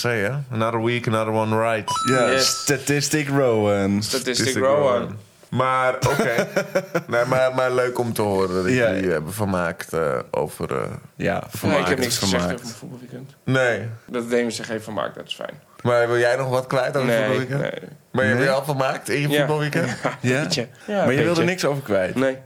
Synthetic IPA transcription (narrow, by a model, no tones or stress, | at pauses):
sejaənadəwikənaðəwɔnɹajtjastatɪstɪkɹoːənsatɪsskɹonn | maroeːnemamaløːkɔmtəhoəɾədɔtɪɛbəfərmaːktə̰ʔo̰ːvə̰rə̰ja̰fɪakːɛpnɪksəmɛaovfut̚bɔlˠʋikɛntnejdɔtdejməsɛχeːfəma̰ːk̚dɔtɪ̥sfɛ̰jn | maʋɪlˠjɛjnɔxʋɔtkʋɛjtovəfbɔlˠʋikɛnḛ | maːɹjəɛbəjəɛlˠfəlˠmaːk̚tɪnjəubɔlˠʋikɛnjaəamajəʋɪlˠdənɪksowvəkʋɛjtne